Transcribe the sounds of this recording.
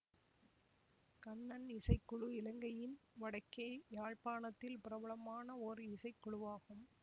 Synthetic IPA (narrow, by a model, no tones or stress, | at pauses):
kɐnːɐnɪsɐɪkːʊɻɯɪlɐŋɡɐjɪnʋɐɽɐɪkːɐɪjaːɻpaːnɐt̪ːɪlpɪɾɐbɐɭɐmaːnɐɔɾɯɪsɐɪkːɔɭʊʋaːɣɯm